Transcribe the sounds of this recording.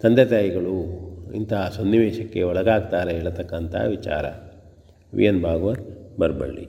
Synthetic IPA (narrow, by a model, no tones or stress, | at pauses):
t̪ɐnd̪et̪aːjiɡɐɭuḭnt̪ɐsonːiʋeːʃɐkːe̞ɔɭɐɡaːɡ̚t̪aːɾeɦeːɭɐt̪ɐkːɐnt̪ʰɐ̰ʋit͡ʃa̰ːɾɐ̰ | ʋḭjɐnbʱaːɡɐʋɐɾbɐɾbɐ̰ɭːḭ